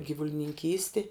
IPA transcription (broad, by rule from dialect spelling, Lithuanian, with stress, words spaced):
ɡʲiːʋʊlʲɪnʲɪŋʲˈkʲiːsʲtʲɪ